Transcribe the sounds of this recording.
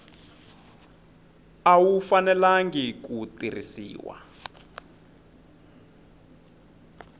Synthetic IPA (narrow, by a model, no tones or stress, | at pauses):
awufanɛlaŋɡikutirisḭːwa̰